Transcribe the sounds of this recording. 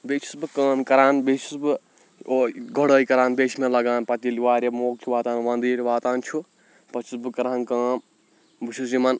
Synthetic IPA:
beːt͡ʃʰu̥sbɨkɐːmkɐɾaːnbet͡ʃʰusbɨ | oɡʱoɽəːjikɐɾaːnbeːt͡ʃʰimelɐɡaːnpɐt̪iliʋaːɾʲjɐmoːk̚t͡ʃʰuʋaːt̪aːnʋɐnd̪iːɾʲʋaːt̪aːnt͡ʃʰu | pɐt͡ʃʰisbɨkɐɾaːnkaːm | bɨt͡ʃʰusd͡ʒimɐn

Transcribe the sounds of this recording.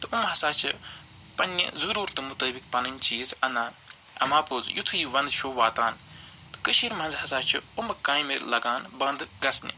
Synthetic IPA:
t̪ɨumɦɐsaːt͡ʃʰɨ̰ | pɐnʲːḭzuɾuːɾt̪ɨmut̪əːbik̚pɐnɨnʲt͡ʃiːzɐnaːn | ɐ̰maːpoːzjut̪ʰujiːʋɐ̃nd̪ʃʰoːʋaːt̪aːn | t̪ɨ̥kəʃiɾmɐ̃nzɦɐsaːt͡ʃʰiumkãːjmiɾlɐɡaːnbɐnd̪ɡɐsnʲḭ

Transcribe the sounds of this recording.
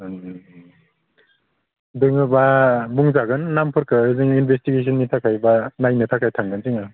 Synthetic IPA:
dɯŋɯbabuŋzaɡɯnːampʰɯɾkʰɯɯzɯŋinbʱes̬tiɡes̬ʰɔnːitʰakʰajbanajnɯtʰakʰajtʰaŋɡɯnzɯŋa

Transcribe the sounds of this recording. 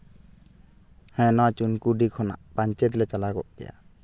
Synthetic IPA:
hɛ̃nɔwat͡ʃunkuɖikʰɔna̰ʔpaɲt͡ʃɛt̪̬lɛt͡ʃalaɡɔʔkɛ̰ja̰

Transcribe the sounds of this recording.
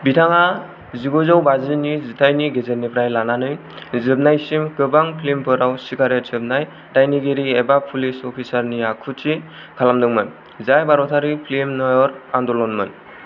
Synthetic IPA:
bitʰaŋa | ziɡɔzawbazɯnizitʰajniɡezet̚nipʰɾajlananɯj | zɯb̚najsimkɯbaŋpʰlimpʰɯɾawsiɡaɾetsɯb̚naj | dajniɡeɾiebapʰulisɔpʰisaɾniakʰutʰi | kʰalamdɯŋmɯn | zajbaɾɔtʰaɾipʰlemnɔjɔɾandɔlɔnmɯn

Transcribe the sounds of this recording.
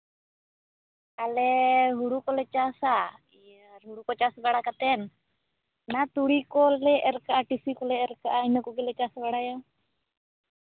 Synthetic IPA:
alɛɦuɽukɔlɛt͡ʃasa | i | aɦuɽukɔt͡ʃasbaɽakat̪ɛnː | at̪uɽikɔlɛʔɛɾkaʔaʈisikɔlɛːɾkaʔainɔkɔɡɛlɛt͡ʃasbaɽaja

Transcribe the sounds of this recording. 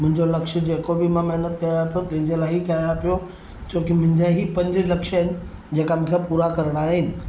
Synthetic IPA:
mʊ̃ɦɪ̃ɲd͡ʑolɐkʃə̆d͡ʑeːkobʱɪmãmeɦnət̪kɐjapijot̪ɐ̃ɦɪ̃ɲd͡ʑeːlaːɪɦikɐapijo | t͡ɕoːkɪmʊ̃ɦɪ̃ɲd͡ʑaɦipɐ̃ɲd͡ʑɪlɐkʃəɦɪnɪ̆ | d͡ʑeːkamʊ̃ŋkʰepuːɾakɐɾəɽ̃aːɦenɪ̆

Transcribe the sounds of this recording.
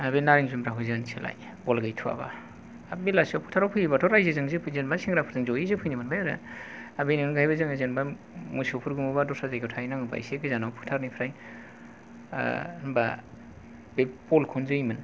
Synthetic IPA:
abenaɾiŋzumɾaɦujzɯnsʰela̰j | bɔlɡɯjtʰua̰ba̰ | abilasɔpʰu̥tʰaɾɔpʰɯjibatʰɔɾajzezɯŋzɯpʰɯjzenbasiŋɡɾapʰɯɾtɯŋzojizɯpʰɯjnimɯnbajaɾɯ̰abeninuɡajbazɯŋɯzenba | musopʰuɾɡumubadɔsazajɡʰɯtʰajnaŋɯba̰jsekɯzanɔwpʰu̥tʰaɾnijpʰɾaj | ba | bepɔlkʰɔnzɯimɯn

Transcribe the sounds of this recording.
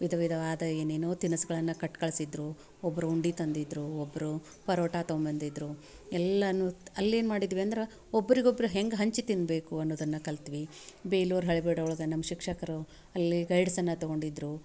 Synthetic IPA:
ʋid̪ʱɐʋid̪ʱɐʋaːd̪ɐeːneːnoːt̪inɐsɡɐɭɐnːɐkɐʈkɐɭsid̪ɾu | ɔbːɐɾuuɳɖit̪ɐnd̪id̪ɾuɔbːɐɾu | pɐɾoːʈaːt̪ombɐnd̪id̪ɾu | ɛlːɐnːuɐlːe̞ːnmaːɽid̪ʋiɐnd̪ɐɾe | ɔbːɐɾiɡobːɐɾuɦeŋɡɦɐɲt͡ʃit̪inbe̞ːkuɐnːoːd̪ɐnːɐkɐlt̪iʋibe̞ːluːɾɦɐɭibeːɽɐɔɭɐɡɐnɐmːɐʃikʂɐkɐɾu | ɐlːiɡɐjɽɐsɐnːɐt̪ɔɡo̞ɳɖid̪ɾu

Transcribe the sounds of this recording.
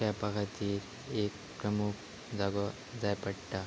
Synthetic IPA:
kapakat̪iːɾ | ek̚ | pɾəmuk | d͡zaɡɔ | d͡zajpəɽʈa

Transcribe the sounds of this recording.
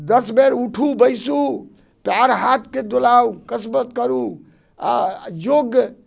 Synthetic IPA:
d̪əsbeɾuʈʰubəjsu | pjaɾɦat̪ʰked̪olawkəsmət̪kəɾu | a̰joɡ

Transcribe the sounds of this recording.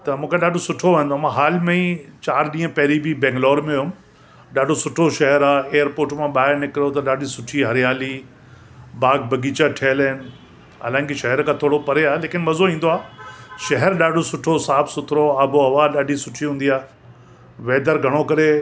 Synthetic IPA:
t̪ɐmũːkʰeɗaːɖʱosʊʈʰoʋɐɦə̃nd̪oamãɦaːlmẽĩt͡ɕaːɾɗĩːə̃pɐɦɪɾibʱibɛ̃ːŋɡlɔːɾmẽʊm | ɗaːɖʱosʊʈʰoʃɐɦɛɾaːeːəɾpoːɾʈmãɓaːɪɾnɪkɾijot̪ɐɗaːɖʱisʊʈʰiɦɐɾijaːli | baːɡ̚bʱɐɡiːt͡ɕaʈʰeːləɦɪnɪ | a̰ːlãːɪ̃nkeʃɐɦɛɾkʰãt̪ʰoːɽopɐɾeaːɦeleːkɪnmɐzoĩːn̆d̪oaːʃɐɦɛɾɗaːɖʱosʊʈʰosaːbʰsʊt̪ʰɪɾoabʱoɐʋaːɗaːɖʱisʊʈʰiɦũːnd̪iaː | ʋeːd̪əɾɡʱɐɽ̃okɐɾe

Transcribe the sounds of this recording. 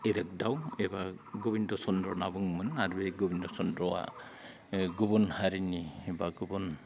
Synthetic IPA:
eɾak̚dawebaɡɔbindɔsɔndɾɔnabɯŋmɯnaɾubeɡɔbindɔsɔndɾɔwa̰ | ɡubɔnhaɾiniebaɡubɔn

